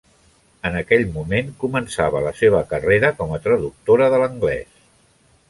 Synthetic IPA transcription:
ənəkɛʎmumeŋkumənsaβələseβ̞əkəreɾəkɔmət̪ɾəðuk̚t̪oɾəðələŋɡlɛ̰s

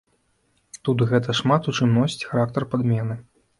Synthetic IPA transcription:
t̪ut̪ɣɛt̪̬ɐʂmat̪ut͡ʂɨmnɔsʲt͡sʲxaɾak̚t̪ɐrpad̪mʲɛnɨ

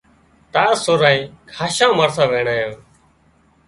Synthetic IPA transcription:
t̪aːsʊɾãːĩːkʰaːʃãːməɾsãːʋeːɳaːjõː

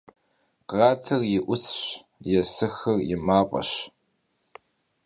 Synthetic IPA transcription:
qɑːtʰɐrjɪʔʷʊsɕ | jɛsɨxɐrjɪmaːqʼɐ̰ɕ

